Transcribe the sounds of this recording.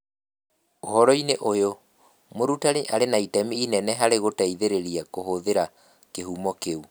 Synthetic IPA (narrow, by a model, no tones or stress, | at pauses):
ohɔɾɔineʔojo | moɾutaɾeʔaɾenaitɛmiːnɛnɛɦaɾeɣotaiðeɾeɾiakoɦoðeɾa | keɦuːmɔkeu